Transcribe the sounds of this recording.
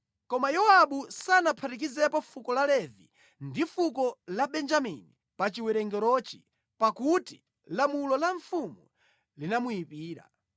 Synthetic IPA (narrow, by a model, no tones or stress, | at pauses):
kɔmajɔaɓusanapʰatik̬izɛpɔfukɔlalɛvḭ | ndifukɔlaɓɛnd͡ʒamḭni | pat͡ʃiwɛɾɛŋɡɛɾɔt͡ʃi | pakuti | lamulɔlaɱfumu | linamuipiːɾa̰